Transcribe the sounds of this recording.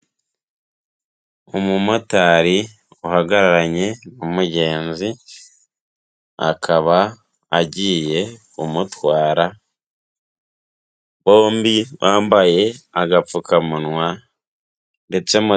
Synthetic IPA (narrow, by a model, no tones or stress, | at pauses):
umumotaːɾi | uhaɡaɾaɾaɲe̞numuɟe̞ːnzi | a̰kʰaβaː | ɟiːje̞ | umutwaːɾa | βo̞ːmbiwʔaːmbaje̞aɡafukʰamunwa | nde̞t͡se̞mu